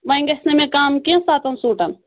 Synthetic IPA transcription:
ʋɐĩŋɡɐsnemẽkaːmkẽsaːt̪ʰɐnsoːʈɐn

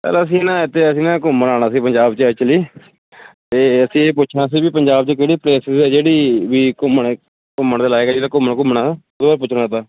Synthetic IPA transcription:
sə̰ɾəs̬ĩːnãːɪt̪ʰːeːəsĩːnãːkʊmənaːɽaːsiːpəɲd͡ʒaːbt͡ʃət͡ʃəliː | t̪eːəsĩːeːpʊt͡ʃʰnaːs̬iːbiːpəɲd͡ʒaːbt͡ʃəkeːɽiːpɾeːsɪzɛːd͡ʒeːɽiːʋiːkʊməɳ | kʊmːəɳd̪eːlaːekɛːd͡ʒeːɽaːkʊmːəɳk̬ʊmːəɳaːod̪obaɾpʊt͡ʃʰnaːt̪aː

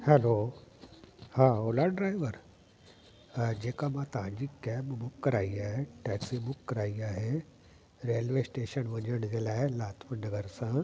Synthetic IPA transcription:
helo | haːoːlaɖɾaːɪʋəɾ | d͡ʑeːkamãt̪ɐʋ̤ãɲd͡ʑikɛːbmʊkːɐɾaːiaːɦeʈɛːksibʊkːɐɾaːiaːɦe | ɾeːlʋeːsʈeːʃənʋɐɲəɽ̃d͡ʑeːlaːɪlaːt̪ʰmənɐɡəɾsã

